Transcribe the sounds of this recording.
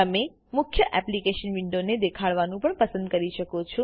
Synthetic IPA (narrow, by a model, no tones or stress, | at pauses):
əme | mʊkʰjəʔɛplikeʃənʋɪɳɖoned̪ekʰaɭʋanũpəɳpəsə̃nd̪̚kəɾiʃəkot͡ʃʰɔ̃